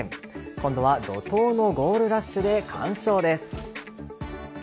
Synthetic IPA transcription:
kõ̞nd̪o̞βad̪o̞̰t̪o̞ːno̞ɡo̞ːɾɯ̟ɾaɕːɨd̪e̞kʰã̰ɰ̃ɕo̞ːd̪e̞sɨ̥

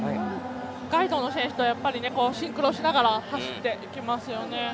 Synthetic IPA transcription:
ɡ̥aid̪o̞ːno̞ɕẽ̞ɰ̃ɕi̥t̪ojapːaɾʲine̞ko̞ːɕĩŋkɯ̟ɾo̞ːɕinaɡaɾat̪aɕi̥t̪ːe̞ʔikʲimasɨjo̞ne̞

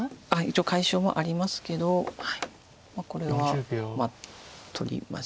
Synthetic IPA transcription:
ait͡ɕiokaiɕo̞ːmo̰ʔaɾʲimasɨ̥ke̞d̪o̞hai | mako̞ɾe̞ββaomat̪ʰo̞̰ɾʲḭma̰s

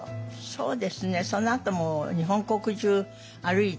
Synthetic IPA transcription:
so̰ːd̪esɨnesõnːat̪omoɲiɦõŋkokud͡ʒu | aɾɯi

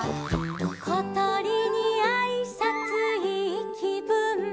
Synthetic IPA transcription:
kʰɔt̪ɔɾiniaisat͡sɯɦikʰipɯn

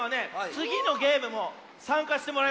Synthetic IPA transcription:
ane̞t͡sɨɡʲino̞ɡe̞ːmɯ̟mo | sãŋkaɕi̥t̪e̞moɾa

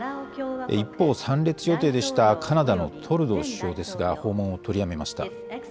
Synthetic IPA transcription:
ḛipːo̞ːsãnɾʲe̞t͡sɨjo̞t̪e̞ːd̪e̞ɕi̥t̪akʰanad̪ano̞t̪ʰo̞ɾɯ̟d̪o̞ɕɕo̞ːd̪e̞sɨɡaho̞ːmõ̞ɰ̃o̞t̪o̞ɾʲiame̞maɕi̥t̪a̰

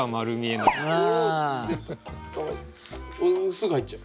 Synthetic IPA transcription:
amaɾɯmʲienoa | a | sɨɡait͡ɕːa

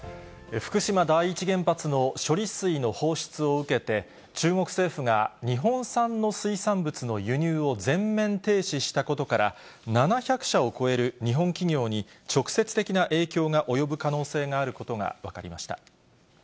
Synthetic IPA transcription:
ɸɯ̥kɯ̟ɕimad̪aiːt͡ɕiɡẽ̞mpat͡sɨno̞ɕo̞ɾʲisɨino̞ho̞ːɕi̥t͡sɨo̞ɯ̟ke̞t̪e̞ | t͡ɕɨːŋo̞kɯ̟̥se̞ːɸɯ̟ŋa̰ɲ̟iɦõ̞ɰ̃sãnːo̞sɨisãmbɯ̟t͡sɨno̞jɯ̟ɲ̟ɨːo̞d͡zẽ̞mːẽ̞nt̪e̞ːɕiɕi̥t̪ako̞t̪o̞kaɾa̰ | nanaçakɯ̟̥ɕao̞ko̞e̞ɾɯ̟ɲ̟iɦõ̞ŋkʲiŋʲo̞ːɲ̟it͡ɕo̞kɯ̟̥se̞t͡sɨ̥t̪e̞kʲinaʔe̞ːkʲo̞ːŋaʔo̞jo̞bɯ̟kano̞ːse̞ːŋaːɾɯ̟ko̞t̪o̞ŋa̰βakaɾʲimaɕi̥t̪a̰

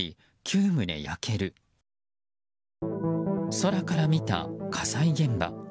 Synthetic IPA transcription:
i | kʲʰɨːmɯ̟d̪e̞̰ja̰kʰe̞ɾɯ̟ | so̞ɾakaɾamʲit̪a̰kʰasaiɡẽ̞mba̰

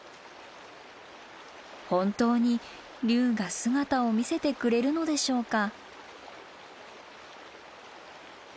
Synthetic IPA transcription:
hõ̞nt̪o̞ːɲ̟i | ɾʲɨːɡasɨɡat̪ao̞mʲise̞t̪e̞kɯ̟ɾe̞ɾɯ̟no̞d̪e̞ɕo̞ːka

